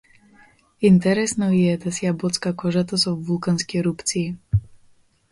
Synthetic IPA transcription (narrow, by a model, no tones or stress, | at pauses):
int̪ɛɾɛsnɔjɛd̪asjabɔt͡skakɔʒat̪ɔsɔvːulkanskɛɾup̪t͡siː